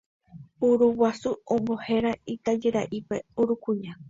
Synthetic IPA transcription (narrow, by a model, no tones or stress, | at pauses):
uɾuwasuõmbo̞he̞ɾait̪ad͡ʒeɾaʔipe̞uɾukuɲa